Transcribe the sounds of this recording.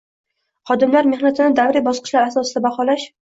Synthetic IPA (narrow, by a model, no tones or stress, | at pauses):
χɒd̪ɪmlaɾmeχnat̪ʰɪnɪd̪avɾɪbɒsqɨ̥ʃlaɾasɒsɪd̪abaχɒlaʃ